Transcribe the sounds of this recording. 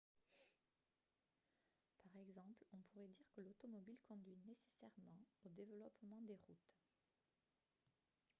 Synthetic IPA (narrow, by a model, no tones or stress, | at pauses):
paʁɛɡzɑ̃plɔ̃puʁɛd̪iʁkəlot̪ɔmɔbilkɔ̃d̪ɥinese̥sɛʁmɑ̃od̪evəlɔpmɑ̃d̪eʁut̪